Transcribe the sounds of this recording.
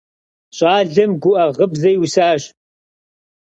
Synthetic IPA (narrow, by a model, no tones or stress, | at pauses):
ɕʼɑːɮɐmɡʷʊʔɐʁəbzɐjwʊsaːɕ